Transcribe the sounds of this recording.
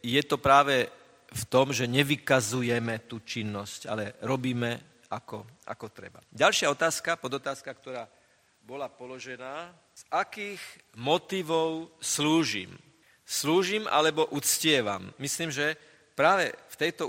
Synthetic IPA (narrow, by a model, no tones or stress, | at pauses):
jɛt̪ɔpɾaːʋɛ | ft̪ɔmʒɛɲɛʋikazujɛmɛt̪uːt͡ʃinːɔsca̰lɛɾɔbiːmɛ | akɔʔa̰kɔt̪ɾɛ̰ba̰ɟalʃɪaɔt̪aːskapɔd̪ɔt̪aːskakt̪ɔɾaː | bɔlapɔlɔʒɛnaː | z̥ʔakiːɣ | mɔt̪iʋɔʊsluːʒḭm | sluːʒimʔa̰lɛbɔʔut͡scɪɛʋa̰mːisliːmʒɛ | pɾaːʋɛ̰ft̪ɛjt̪ɔ